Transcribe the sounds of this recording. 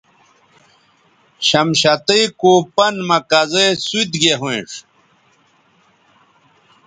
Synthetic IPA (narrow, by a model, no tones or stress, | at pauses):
ɕɐmɕɐt̪əjkoːpɐnmɐkɐzesut̪ɡeɦwẽʂ